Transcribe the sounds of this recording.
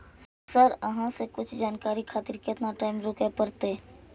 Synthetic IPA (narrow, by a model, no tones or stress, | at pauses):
s | səɾəɦãsekʊt͡ʃʰd͡ʒaːnkaːɾikʰaːt̪ɪɾkət̪naʈaːɪmɾoːkepəɾt̪e